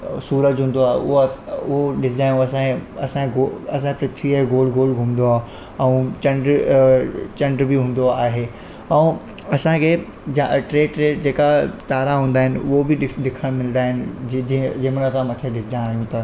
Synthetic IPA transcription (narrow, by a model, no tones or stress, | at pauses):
suːɾəd͡ʑɦũːnd̪oaːɦeʊɦoʊɦoɗɪsɪd̪aːjũɐsãɐsãɡoɐsãkpɾɪt̪ʰɾiaɦɡoːlɡʱoːlɡʱʊmnd̪oaːɦ | ɛ̃ũt͡ɕɐ̃ɳɖɾ | t͡ɕɐ̃ɳɖɾbiɦũːn̆d̪oaːɦeː | ɛ̃ː | ɐsãkʰeː | d͡ʑaʈɾeːʈɾeːd͡ʑeːkat̪aːɾaɦũːnd̪aːɪnɪʊɦobiɗɪɗɪkʰəɽ̃mɪld̪aːɦɪnɪ̆ | d͡ʑɪːmnət̪ʰãmɐt̪ʰeɗɪsɪd̪ãːɦijũt̪a